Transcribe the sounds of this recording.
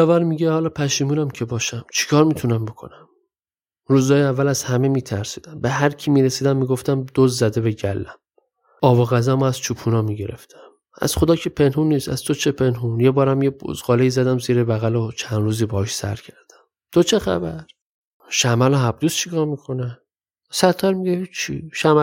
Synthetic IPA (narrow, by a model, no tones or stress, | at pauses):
ɒvæɾmiːɟehɒːlɒːpʰæʃiːmuːnæmcʰe̞bɒːʃæmt͡ʃʰi̥kʰɒːɾmiːt̪ʰunæmbo̞kʰo̞̰næm | ɾuːzd̪ɒːjeævːælæz̥hæme̞miːt̪ʰæɾsiːd̪æmbeɦæɾcʰimiːɾesiːd̪æmːiːɡo̞ft̪æmd̪̥ozzæd̪e̞beɟælːæm | ɒːboɣæzæmoæz̥t͡ʃʰuːpʰuːnɒːmiɟe̞ɾe̞̰ft̪ʰæm | æ̰z̥χod̪ɒːcʰepʰe̞nɦunːiːsæ̰z̥t̪ʰot͡ʃʰepʰe̞nɦunjebɒːɾæmjebṵzɢɒːleiːzæd̪æmziːɾebæɣælot͡ʃʰænd̪ɾuːziːbɒhɒʃsæ̰ɾcʰæɾd̪̥æ̥m | t̪ʰot͡ʃʰe̞xæ̰bæɾ | ʃæmæloɦæb̚d̪uːst͡ʃʰikʰɒːɾmikʰo̞ne | sæɾt̪ʰːæɾmiɟehit͡ʃʰːḭʃæmæ